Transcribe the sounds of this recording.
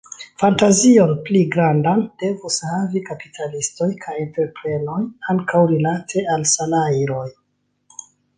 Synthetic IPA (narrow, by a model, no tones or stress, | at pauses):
fantazio̞npliɡɾandand̥e̞vushavikapi̥tʰalisto̞jkʰajente̞ɾpɾe̞no̞jaŋkawɾilatʰe̞alsalajɾo̞j